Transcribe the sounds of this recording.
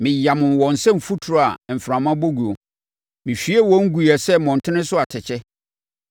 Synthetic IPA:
mɪ̃˨ja˨mʊ̃˨wɔ̃˨n̩˨sɛ̃˦m̩˨fu˦tʰu˨ɾa˨m̩˨fɾã˨mã˦bo˦ɡu˨o˨ | mɪ̃˨ɕᶣi˦ɛ˦˨wɔ̃˦ŋ̩˦ɡu˨ɛ˨sɛ˦mɔ̃˨n̩˨tʰɪ˦nɪ̃˦sʊ˦a˨tʰɪ˨t͡ɕʰɛ˦

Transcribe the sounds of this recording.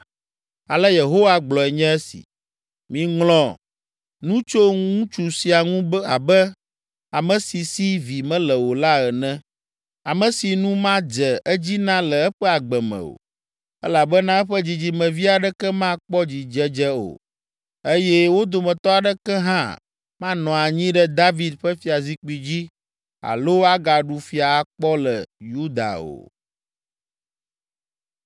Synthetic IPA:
a˨lɛ˦je˨ɦo˦wa˦˨ɡ͡blɔ˨ɛ˨ɲɛ̃˦ɛ˦sḭ˨ | mĩ˨ŋlɔ̃˨ | nũ˦t͡ʃo˦ŋũ˦t͡ʃu˨si˨a˨ŋũ˦ba˨bɛ˦ | a˨mɛ̃˨si˨si˦vi˨mɛ̃˦lɛ˨wo˨la˦ɛ˨nɛ̃˦ | a˨mə̃˨si˨nũ˦mã˦d͡ʒɛ˨ʔɛ˦d͡ʑi˦nã˦lɛ˨ɛ˦ɸɛ˦a˨ɡ͡bɛ˨mɛ̰̃˨o̰˨ | ɛ˦la˨bə˦nã˦ɛ˦ɸə˦d͡ʑi˨d͡ʑi˨mɛ̃˨vi˦a˨ɖɛ˦kɛ˦mã˦k͡pɔ˦d͡ʑi˨d͡ʒɛ˦d͡ʒɛ˦o̰˨ | e˦jɛ˦wo˦d̪o˨mɛ̃˨t̪ɔ˦a˨ɖə˦kɛ˦ɦã̰˦ | mã˦nɔ̃˨a˨ɲĩ˦ɖɛ˦d̪a˦vi˨d̪ɸə˦fi˦a˨zi˦k͡pi˨d͡ʑi˦ | a̰˨lo˦a˦ɡa˨ɖu˨fi˦a˨˦k͡pɔ˦lə˨ju˦d̪a̰˨o̰˨

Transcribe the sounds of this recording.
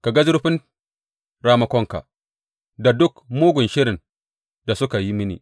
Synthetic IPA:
ka˨ɡa˦zʊ˦ɾɸɪ˦n | ɾaː˦mɐ˦kʷɔ˦ŋka̰˨ | da˨dʊ˦kmoː˦ɡʷʊ˨nʃɪ˦ɾɪ˨n | da˨sʊ˦ka˨ji˦mɪ˦nḭ˨

